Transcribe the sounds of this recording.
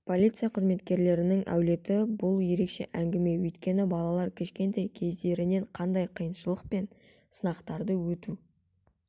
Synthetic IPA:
pʰo̞lʲit̪sɨjaqʰəzme̞t̪kʲe̞ɾle̞ɾɪnɪŋæ̰wle̞t̪ɪbʊlˠje̞ɾe̞kʃe̞̰ʔæŋɡʲɪme̞wɵjt̪kʲe̞nɪbɑlˠɑlˠɑɾkʲʰɪʃkʲe̞nt̪ejkʲʰe̞zd̪e̞ɾɪne̞ɴqʰɑnd̪ɑjqʰijənʃəlˠəq̚pe̞n | sənɑqt̪ɑɾd̪əwɵt̪u

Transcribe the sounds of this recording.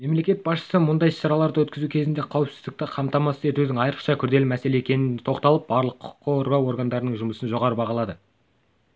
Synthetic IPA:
me̞mlekʲe̞t̪̚bɑsʃə̥səmʊnd̪ɑjʃɑɾɑlˠɑɾd̪ɑwɵt̪kʲɪzukʲʰe̞zɪnd̪e̞qʰɑwəpsɪzd̪ɪk̚t̪ɪqʰɑmt̪ɑmɑsəe̞t̪ud̪ɪŋɑjɾə̥qʃɑkʲʰʏɾd̪e̞lɪmæse̞le̞ekʲe̞nɪnt̪ʰo̞qt̪ɑlˠəp̚bɑɾlˠəqʰːʊ̥qːəoɾɡɑwo̞ɾɡand̪ɑɾənəɴʒʊməsənʒo̞ʁɑɾəbɑʁɑlˠɑd̪ə

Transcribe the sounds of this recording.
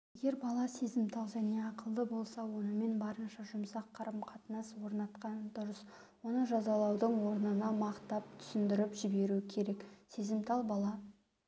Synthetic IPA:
je̞ɡʲe̞ɾbɑlˠɑse̞zɪmt̪ʰɑlˠʒæne̞ɑqəlˠd̪əbo̞lˠsɑwo̞nəme̞nbɑɾənʃɑʒʊmsɑqʰːɑɾəmqʰɑt̪ənɑswo̞ɾnɑt̪qɑnd̪ʊɾəs | wo̞nəʒɑzɑlˠɑwd̪əɴwo̞ɾnənɑmɑqt̪ɑp̚t̪ʰʏ̥sɪnd̪ɪɾɪpʒɪbe̞ɾuɪkʲʰe̞ɾe̞kse̞zɪmt̪ʰɑlˠbɑlˠɑ

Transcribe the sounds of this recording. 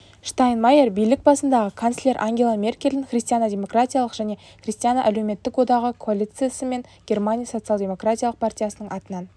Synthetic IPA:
ʃt̪ajnmɑjerbijlɪk̚bɑsənd̪ɑʁəkʰonslʲe̞ɾʔaŋɡʲe̞lˠamʲe̞rkʲe̞lʲd̪ɪŋχrʲist̪ijanad̪ʲe̞mo̞kratʲijalˠəqʒæne̞ | χrʲist̪ijanəʔæleme̞t̪ːɪkwo̞d̪ɑʁəkʰoalʲit̪sesəme̞nɡʲe̞rmanʲijaso̞t̪sɨalˠdʲe̞mo̞kratʲijalˠəq̚pʰartʲijasənəɴʔɑt̪ənɑn

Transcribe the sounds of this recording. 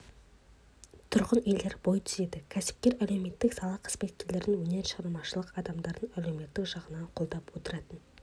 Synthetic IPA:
t̪ʰʊɾʁəneld̪e̞ɾbo̞jt̪ʰʏze̞d̪ɪkʲʰæsɪ̥p̚kʲe̞ɾælewme̞t̪ːɪksɑlˠɑqʰə̥z̥pe̞t̪̚kʲeɾle̞ɾɪŋwɵne̞ɾʃɑɾnmɑʃəlˠəqɑd̪ɑmd̪ɑɾd̪ənælewme̞t̪ːɪkʒɑʁənɑqʰo̞lˠd̪ɑpwot̪əɾɑt̪ən

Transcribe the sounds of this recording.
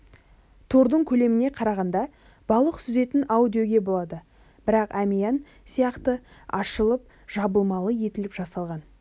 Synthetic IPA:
t̪ʰuɾd̪əɴkʲʰɵle̞mɪne̞qʰɑɾɑʁɑnd̪ɑ | b̥ɑlˠəqsʏze̞t̪ɪnawd̪ijo̞ɡʲe̞bo̞lˠɑd̪ə | b̥ɪɾɑqæmijɑn | sijɑqt̪əɑʃəlˠəp̚ | ʒ̥ɑbəlˠmɑlˠəje̞t̪ɪlɪpʒɑsɑlˠʁɑn

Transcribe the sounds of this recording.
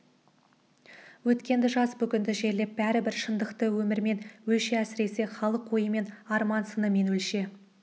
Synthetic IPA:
wɵt̪kʲe̞nd̪ɪʒɑsbʏkʲɪnd̪ɪʒe̞ɾle̞p̚bæɾɪbɪɾʃənd̪əqt̪əwɵmɪɾme̞nwɵlʃeæsɪɾe̞seχɑlˠəqʰːo̞jəme̞nɑɾmɑnsənəme̞nwɵlʃe̞

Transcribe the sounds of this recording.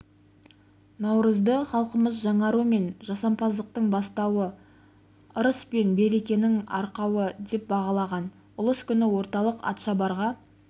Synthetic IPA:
nɑwɾəzd̪əχɑlˠqəməzʒɑɴɑɾume̞nʒɑsɑmpɑzd̪əq̚t̪əɴbɑst̪ɑwə | əɾəspe̞nbe̞ɾe̞kʲe̞nɪŋɑ̰ɾqɑwəd̪e̞p̚bɑʁɑlˠɑʁɑn | ʊlˠəskʲʏnɪwo̞ɾt̪ɑlˠəqɑ̰t̪ʃɑbɑɾʁɑ

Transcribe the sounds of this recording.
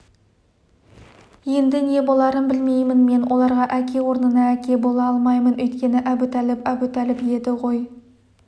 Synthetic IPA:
je̞nd̪ɪne̞bo̞lˠɑɾənbɪlme̞jmɪnme̞nwʔo̞lˠɑɾʁɑʔækʲe̞wo̞ɾnənɑækʲe̞bo̞lˠɑɑlˠmɑjmənɵjt̪kʲe̞nɪʔæbut̪ʰælɪpæbut̪ʰælɪpje̞d̪ɪʁo̞j

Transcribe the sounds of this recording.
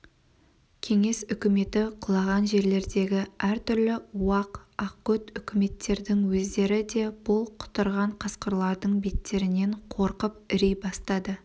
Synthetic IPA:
kʲʰe̞ŋe̞sʏkʲɪme̞t̪ɪqʰʊlˠɑʁɑnʒe̞ɾle̞ɾd̪e̞ɡʲɪæɾt̪ʰʏɾlɪuɑqɑqːɵt̪ʏkʲɪme̞t̪ːe̞ɾd̪ɪŋwɵzd̪e̞ɾɪd̪e̞b̥ʊlˠqʰʊ̥t̪əɾʁɑɴqʰɑsqəɾlˠɑɾd̪əɴbe̞t̪ːe̞ɾɪne̞ɴqʰo̞ɾqəp̚ɪɾejbɑst̪ɑd̪ə

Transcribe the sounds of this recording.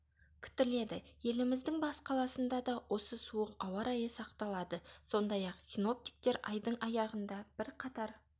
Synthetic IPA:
kʲʰɪ̥t̪ɪle̞d̪ɪje̞lɪmɪzd̪ɪŋbɑsqʰɑlˠɑsənd̪ɑd̪ɑwʔo̞səsuəqɑwɑɾɑjəsɑqt̪ɑlˠɑd̪əso̞nd̪ɑjɑqsino̞p̚t̪ik̚t̪e̞ɾɑ̰jd̪əɴɑjɑʁənd̪ɑb̥ɪɾqʰɑt̪ɑɾ

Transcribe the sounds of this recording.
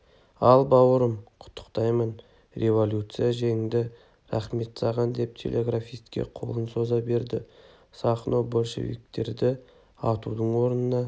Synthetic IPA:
ɑlˠbɑwəɾəmqʰʊ̥t̪ʰːə̥qt̪ɑjmən | rʲe̞vo̞lʲjut̪sɨjaʒe̞ŋd̪ɪ | ɾɑχme̞t̪sɑʁɑnd̪e̞p̚t̪ʲʰe̞̰lʲʔe̞ɡrafijst̪kʲḛqʰo̞̰lˠənso̞zɑbe̞ɾd̪ɪ | sɑχno̞bolʲʃḛvḭk̚t̪e̞̰ɾd̪ɪ | ɑt̪ud̪əɴwo̞ɾənənɑ

